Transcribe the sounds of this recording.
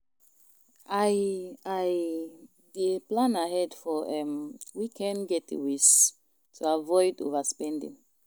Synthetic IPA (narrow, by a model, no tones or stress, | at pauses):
a | aj | deplãnaɦɛdfɔʔɛmwikʰɛ̃nɡɛtḛwis | tʰuavɔɪdo̰vaspɛ̃ndḭ̃ŋ